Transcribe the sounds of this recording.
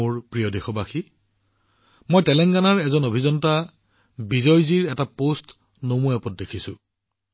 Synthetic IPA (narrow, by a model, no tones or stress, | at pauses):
ʊɹpɹijɔdexɔbaxi | mojtɛlɛŋɡanaɹɛzɔnobʱizɔnta | bizɔjziɹɛtapost | nomuɛpɔt̚dekʰisʊ̃